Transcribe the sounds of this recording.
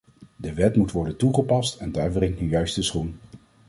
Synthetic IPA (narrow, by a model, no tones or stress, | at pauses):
dəʋɛtmutʋɔɹdəntuχəpɑstɛndaːɹbrɪŋtnəjœɥstəsχun